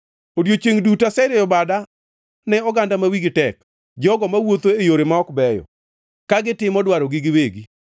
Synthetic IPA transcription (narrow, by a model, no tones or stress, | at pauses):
odjot͡ʃeŋdutasɛɾɛjɔbada | nɛɔɡandamawiɡitɛk | d͡ʒɔɡɔmawot̪oejoɾemaɔkbɛjɔ̰ | kaɡɪtɪmɔdwaɾɔɡiɡɪweɡi